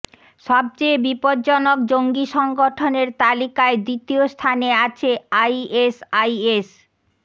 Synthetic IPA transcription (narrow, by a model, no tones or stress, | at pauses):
ʃɔb̚t͡ɕebipoɾd͡ʑɔnok̚d͡ʑoŋɡiʃɔŋɡoʈʰoneɾt̪alikaed̪ɾit̪iost̪ʰaneat͡ɕʰeajesajes